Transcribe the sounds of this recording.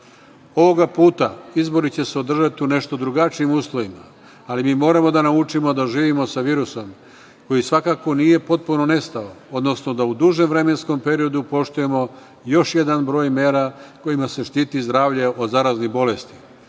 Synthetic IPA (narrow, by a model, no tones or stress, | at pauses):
o̞ʋo̞ɡapuːt̪aizbo̞ɾit͡ɕe̞seo̞d̪r̩ʒat̪iune̞ʃt̪o̞d̪ɾuɡat͡ʃiimuːslˠo̞ʋimaː | limiːmo̞ːɾamo̞d̪anaut͡ʃimo̞d̪aʒiːʋimo̞saʋiːɾuso̞m | ko̞jisʋakako̞nije̞po̞t̪̚puno̞ne̞st̪ao̞o̞d̪no̞sno̞d̪aud̪uʒe̞mʋɾe̞me̞nsko̞mpe̞ɾio̞d̪upo̞ʃt̪uje̞mo̞ | jo̞ʃje̞d̪anbɾo̞ːjme̞ːɾako̞jimase̞ʃt̪iːt̪izd̪ɾaːʋʎe̞ʔod̪zaɾaːznibo̞le̞st̪i̥